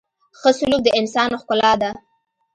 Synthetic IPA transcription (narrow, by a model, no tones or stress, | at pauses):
xəsʊluk̚d̪əɪnsɑnoxkʊlɑd̪a